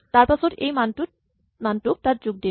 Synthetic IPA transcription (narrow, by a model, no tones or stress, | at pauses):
t̪aɾpat͡ɕʰoɾejmanʈu | manʈuk̚taɾd͡ʑuɡ̚d̪i